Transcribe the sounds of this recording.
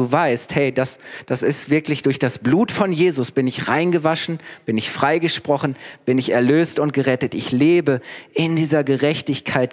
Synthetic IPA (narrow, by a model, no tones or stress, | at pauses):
uːvaɪsthɛɪdasd̥asɪstv̥ɪɐklɪçd̥ʊɐçd̥asb̥luːtfɔnjeːzʊsb̥ɪnɪçʁa̰ɪnɡəvaʃn̩b̥ɪnɪçfʁ̥aɪɡəʃpʁ̥ɔχn̩b̥ɪnɪçɛɐløːstʊnt̚ɡ̥əʁɛtətʔɪçleːbəʔɪndiːzɐɡəʁɛçtɪçkʰaɪt̚